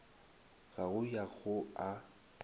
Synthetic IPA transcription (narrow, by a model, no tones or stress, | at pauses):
ɣaɣʊjaɣʊa